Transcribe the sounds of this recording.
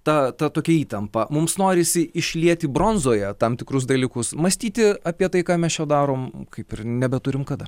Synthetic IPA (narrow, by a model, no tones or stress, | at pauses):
t̪ɐt̪ɐt̪oːkʲɛiːt̪ɐmpɐmʊmsnoːɾʲɪsʲɪɪʃʲlʲiɛt̪ʲɪbɾoːnzoːjɛt̪ɐmt̪ʲɪkɾʊs̬d̪ɐlʲiːkʊsmɐsʲt̪ʲiːt̪ʲɪɐpʲiɛt̪ɐɪkɑːmʲɛsjoːd̪ɑːɾoːmkɐɪpɪrnʲɛbʲɛt̪ʊɾʲɪmkɐd̪ɐ